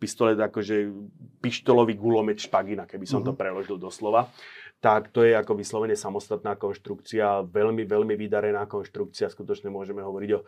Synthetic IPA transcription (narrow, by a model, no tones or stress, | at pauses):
pist̪ɔlɛakɔʒɛpiʃt̪ɔlɔʋiːɡulɔmɛt̪ʃpaɡinakɛbisɔmt̪ɔpɾɛlɔʒild̪ɔslɔʋat̪akt̪ɔjɛakɔʋislɔʋɛɲɛsamɔst̪at̪̚naːkɔnʃt̪ɾukt͡siaʋɛʎmiʋɛʎmiʋid̪aɾɛnaːkɔnʃt̪ɾuk̚t͡siaskut̪ɔt͡ʃɲɛmʊɔʒɛmɛɦɔʋɔɾiɟɔ